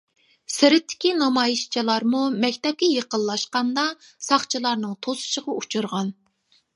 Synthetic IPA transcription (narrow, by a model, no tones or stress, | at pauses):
sɪɾɪt̪ʰːɪ̥kʲinɑmɑjiʃt͡ʃʰilˠɑɾmumɛkʲt̪ɛp̚kʲɛjeqəlˠlːˠɑʃqɑnd̪ɑsɑχt͡ʃʰilˠɑɾnɨŋt̪ʰosɨ̥ʃəʁɑut͡ʃʰuɾʁɑn